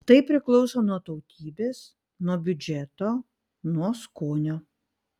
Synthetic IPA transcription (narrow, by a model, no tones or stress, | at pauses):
t̪ɐɪpʲɾʲɪklˠɔʊsoːnuɔt̪ɔʊt̪ʲiːbʲeːs | nuɔbʲʊd͡ʒʲɛt̪oː | nuɔskoːnʲoː